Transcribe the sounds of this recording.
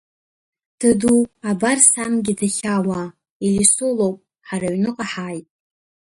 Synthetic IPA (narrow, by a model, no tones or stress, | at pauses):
d̥ɨduabarsamɡʲɪdaχʲawa | ilisʊlowpʼ | ħaraɥnɨqʼaħajtʼ